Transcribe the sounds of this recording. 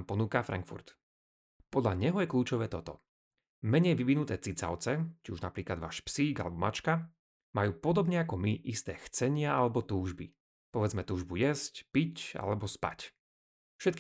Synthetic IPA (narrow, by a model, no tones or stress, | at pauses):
pɔnuːkafɾa̰ŋkfṵɾt̪ | pɔd̪ʎaɲɛɦɔjɛkʎuːt͡ʃɔʋɛːt̪ɔt̪ɔ̰ | mɛɲɛjʋiʋinut̪ɛːt͡sit͡sa̰ʊt͡sɛt͡ʃiuʒna̰pɾiːklad̪ʋa̰ːʃpsiːɡalɛbɔmat͡ʃka | majuːpɔd̪ɔbɲɛakɔmiʔist̪ɛːxt͡sɛɲɪaalɛbɔt̪uːʒbi | pɔʋɛd͡zmɛt̪uːʒbujɛscpica̰lɛbɔspa̰c | fʃɛt̪̚k